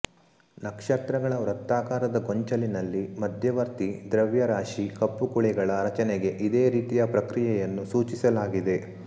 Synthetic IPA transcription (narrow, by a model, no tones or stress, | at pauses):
nɐkʂɐt̪ɾɐɡɐɭɐʋɾɐt̪ːaːkaːɾɐd̪ɐɡoɲt͡ʃɐlinɐlːimɐd̪ʱjɐʋɐɾt̪id̪ɾɐʋjɐɾaːʃikɐpːukuɭiɡɐɭɐɾɐt͡ʃɐnɛɡe̞ʔid̪e̞ːɾiːt̪ijɐpɾɐkɾijɛjɐnːusuːt͡ʃisɐlaːɡid̪e̞